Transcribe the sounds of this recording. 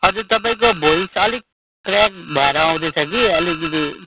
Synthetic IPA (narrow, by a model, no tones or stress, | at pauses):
ɦʌd͡zuɾt̪ʌp̬aĩk̬obʱoisʌlik̚ | ʈɾak̚bʱʌeɾaaw̃d̪et͡sʰʌkiʌlikd̪i